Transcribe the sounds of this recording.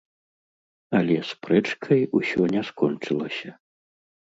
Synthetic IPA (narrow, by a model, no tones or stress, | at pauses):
ɐlʲɛspɾɛt͡ʂkʰɐjusʲɔnʲɛskɔnt͡ʂɨlˠɐsʲɐ